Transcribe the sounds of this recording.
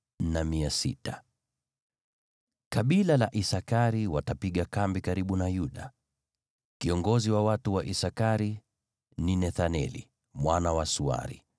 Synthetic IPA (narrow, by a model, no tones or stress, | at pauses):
namiasḭta | kaɓilalaʔisakaɾiwatapiɠakambikaɾiɓunajuɗa | kiɔŋɡɔziwawatuwaʔisakaɾi | ninɛθanɛ̰lḭ | mwanawasua̰ɾḭ